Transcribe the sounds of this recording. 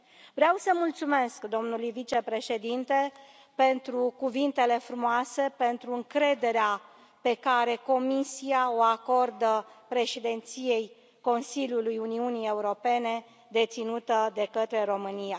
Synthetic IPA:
vɾeawsəmult̪sume̞skd̪o̞mnulujvit͡ʃe̞pɾe̞ʃe̞d̪int̪e̞ | pe̞nt̪ɾukuvint̪e̞le̞fɾumoase̞pe̞nt̪ɾuɨŋkɾe̞d̪e̞ɾea | pe̞kaɾe̞ko̞misiaoako̞rd̪əpɾe̞ʃid̪e̞nt̪sije̞j | ko̞nsilʲjulujuniunije̞uɾo̞pe̞ne̞ | d̪e̞t̪sinut̪əd̪e̞kət̪ɾe̞ɾo̞mɨnija

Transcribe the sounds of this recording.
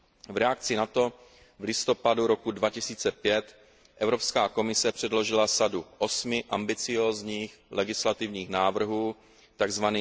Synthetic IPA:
vɾɛak̚t͡sɪnat̪o̞ | vlɪst̪o̞paduɾo̞kudvacɪsiːt͡sɛpjɛt̪ | ʔɛvɾo̞pskaːko̞mɪsɛpr̝̥ɛdlo̞ʒɪlasaduʔo̞smɪʔambɪt͡sɪjo̞ːzɲiːxlɛɡɪslat̪ɪvɲiːxnaːvr̩ɦuː | t̪aɡzvaniː

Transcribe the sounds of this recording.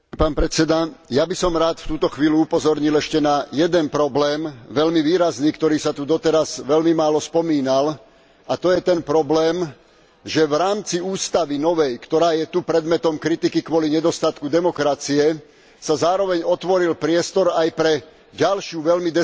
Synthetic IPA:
paːnpɾɛt͡sɛd̪ajabisɔmɾaːt̪ft̪uːt̪ɔxʋiːluupɔzɔɾɲilɛʃcɛnajɛd̪ɛnpɾɔblɛːmʋɛʎmiʋiːɾazniːkt̪ɔɾiːsat̪ud̪ɔt̪ɛɾazʋɛlmimaːlɔspɔmiːnal | at̪ɔjɛt̪ɛnpɾɔblɛːm | ʒɛʋɾaːmt͡siuːst̪aʋinɔʋɛjkt̪ɔɾaːjɛt̪upɾɛd̪mɛt̪ɔmkɾit̪ikikʋɔliɲɛd̪ɔst̪at̪kud̪ɛmɔkɾat͡siɛ | sazaːɾɔʋɛɲɔt̪ʋɔɾilpɾɪɛst̪ɔɾajpɾɛ | ɟalʃɪuʋɛʎmid̪ɛ

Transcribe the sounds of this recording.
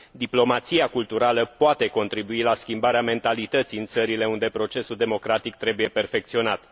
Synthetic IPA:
d̪iplo̞mat̪siakult̪uɾaləpoat̪e̞ko̞nt̪ɾibuilaskʲimbaɾeame̞nt̪alit̪ət̪siɨnt̪səɾile̞und̪e̞pɾo̞t͡ʃe̞suld̪e̞mo̞kɾat̪ik̚t̪ɾe̞buje̞pe̞rfe̞k̚t̪sio̞nat̪

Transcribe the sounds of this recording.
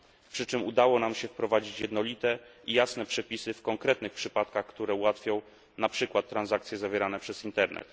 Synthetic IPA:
pʂɘt͡ʂɘmud̪awɔnamɕɛfpɾɔvad͡ʑit͡ɕjɛd̪nɔlʲit̪ɛijasnɛpʂɛpʲisɘfkɔŋkɾɛt̪nɘxpʂɘpat̪kaxkt̪uɾɛuwat̪fʲjɔ̃w̃ | napʂɘkwat̪ːɾanzak̚t̪sʲjɛzavʲjɛɾanɛpʂɛz̥int̪ɛɾnɛ̰t̪

